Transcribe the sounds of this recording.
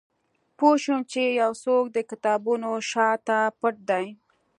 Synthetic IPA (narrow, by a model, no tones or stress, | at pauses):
poʃumt͡ʃejawsok̚d̪əkɪt̪ɑbunoʃɑt̪apəʈ̚d̪aj